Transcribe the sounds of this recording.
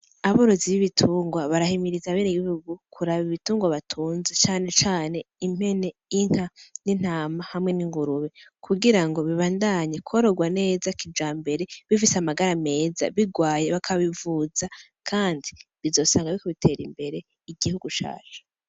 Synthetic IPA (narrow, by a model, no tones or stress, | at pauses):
aβoɾo̞ziβiβitʰuːŋɡwaβaɾahimiɾizaβeːneɡiβihuɡukʰuɾaβiβituːŋɡwaβatʰuːnzet͡ʃaːne̞t͡ʃaːne̞im̥he̞ne̞iŋ̥hanin̥aːmahamŋe̞niŋɡuɾuβe̞kʰuɡiɾaŋɡo̞βiβaːndaɲekʰoɾoɡwane̞ːzakid͡ʒaːmbe̞ɾe̞βifiseamaɡaɾame̞ːza̰βiɡwaːjeβakʰaβivuza | kʰaːndiβizo̞ːsaːŋɡaβikoβitʰe̞ːɾimbe̞ɾe̞ | iɡihuɡuʃa̰ːʒe̥